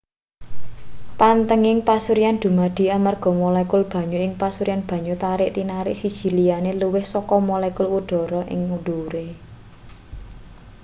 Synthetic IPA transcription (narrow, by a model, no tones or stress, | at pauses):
pant̪əŋɪŋpasuɾijand̪̥ṳmaɖ̪̥i̤amarɡ̥ɔ̤molɛkʊlb̥ä̤ɲuɪŋpasuɾijanb̥ä̤ɲut̪aɾɪʔt̪inaɾɪʔsid̥ʒ̥i̤lianeluwɪhsɔkɔmolɛkʊluɖ̪̥ɔ̤ɾɔʔɪ̰ŋuɖ̪̥uɾe